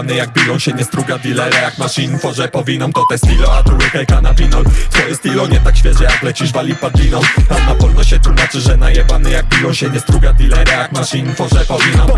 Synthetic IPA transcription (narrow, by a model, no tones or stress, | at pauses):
nɛjaɡ̚bʲijɔ̃w̃ɕɛɲɛst̪ɾuɡad̪ʲilɛɾajakmaʂiɲfɔʐɛpɔvʲinɔmt̪ɔt̪ɛst̪ilɔad̪ɾuɛkɛjkanavʲinɔwt̪t̪ɔjɛst̪ilɔɲɛt̪akɕfʲjɛʐɛjaɡlɛt͡ɕiʐvalʲipad̪lʲinɔmanapɔlt̪ɔɕɛt̪wumat͡ʂɘʐɛnajɛbanɛjaɡ̚bʲijɔ̃w̃ɕɛɲɛst̪ɾuɡad̪ʲilɛɾajakmaʂiɲfɔʐɛpɔvʲinɔm